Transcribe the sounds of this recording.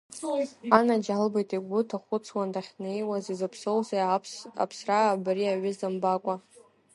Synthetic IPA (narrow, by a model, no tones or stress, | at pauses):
anad͡ʒalbajtʼiɡʷʊtʰaχʷʊt͡sʰwandaχʲnejwazizapʰsowzaa̰pʰsraːbriaɥʏzambakʷʼa